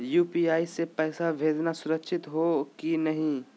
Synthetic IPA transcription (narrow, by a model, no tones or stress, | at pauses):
juːpiːaːisepɛːsabʱeːd͡ʒnasʊɾəkʃɪt̪ɦokinɐɦĩː